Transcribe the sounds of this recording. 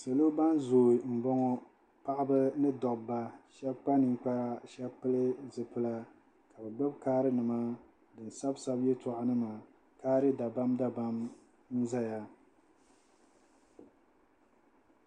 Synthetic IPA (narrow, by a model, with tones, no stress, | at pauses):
sa˨lo˦ba˦nzoː˨i˨m̩˨bɔ˦ŋɔ˦ | pa˦ʔɪ˦bɨ˦nɨ˦dɔ˨ʔba˨ʃɛ˦bk͡pa˦nɨ˨ŋ˦k͡pa˦ɾa˦ʃɛ˦bpɨ˦lɨ˦zɨ˨pɨ˦la˦ | ka˨bɨ˨ɡ͡bɨ˦bkaː˦ɾɨ˦nɨ˨ma˦ | dɨ˨n˨sa˦bsa˦bjɛ˦tʊ˨ʔa˨nɨ˦ma˨ | kaː˦ɾɨ˦da˨ba˦mda˦ba˦m | n̩˦za˦ja˨